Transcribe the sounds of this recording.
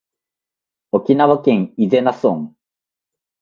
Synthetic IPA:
okʲinaβakẽ̞ŋize̞nasõŋ

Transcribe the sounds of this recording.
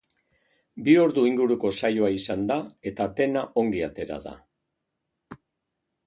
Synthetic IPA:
bio̞ɾðuiŋɡuɾuko̞sajoaisand̪ae̞t̪at̪e̞naʔo̞ŋɡiat̪e̞ɾa̰ða̰

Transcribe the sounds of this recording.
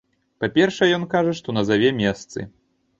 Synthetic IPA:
papʲɛrʂɛɛjɔnkaʐɐʂt̪ɔnɐzavʲɛmʲɛst̪sɨ̰

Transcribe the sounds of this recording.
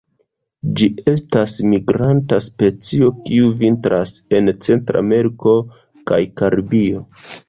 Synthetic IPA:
d͡ʒie̞stasmiɡɾantaspe̞t͡sio̞kiuvintɾase̞nt͡se̞ntɾa̰me̞ɾiko̞ | ka̰jkaɾbio̞

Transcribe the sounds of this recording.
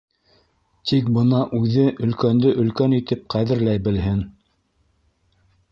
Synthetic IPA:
t̪ʰik̚bɤnɑʔʉðɘʔɵ̆lkænd̪ɵʔɵ̆lkænit̪ɘp̚qʰæðɘ̆ɾlæjbɘ̆lɦɘn

